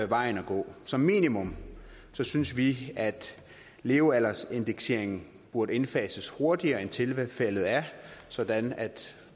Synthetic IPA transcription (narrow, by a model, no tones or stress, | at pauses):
æʋɑ̈ɪn̩ɒɡ̥ɔ̰̽ːsɒ̽mːḭːnimɔ̽m | sɒ̽synsʋiæd̥ | le̝ːʊælɐse̝nd̥eɡ̥se̝̰ɐ̰e̝ŋn̩ | b̥uɐɾ̥əe̝nfɛ̰ːsəsho̝ɐd̥iɐːent͡sʰe̝lfel̰ð̞̩ˠæɐsɒ̽d̥ænæd̥